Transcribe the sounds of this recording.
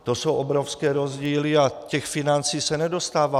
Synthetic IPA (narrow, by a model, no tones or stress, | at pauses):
t̪osuɔbɾɔʊskɛːɾɔzɟiːliacɛxfinant͡siːsɛnɛd̪ɔst̪aːʋa